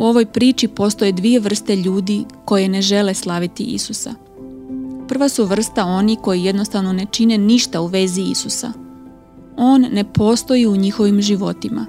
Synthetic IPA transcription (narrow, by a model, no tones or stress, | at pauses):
uo̞ʋo̞jpɾiːt͡ʃipo̞st̪o̞jed̪ʋije̞ʋr̩st̪e̞ʎuːd̪iko̞je̞ne̞ʒe̞le̞slˠaʋit̪iʔḭsusa̰ | pr̩ʋasuʋr̩st̪ao̞niko̞jijed̪no̞st̪aʋno̞ne̞t͡ʃine̞niʃt̪auʋe̞ziḭsusa̰ | o̞ːnːe̞po̞ːst̪o̞jiuɲixo̞ʋimʒiʋo̞t̪ima̰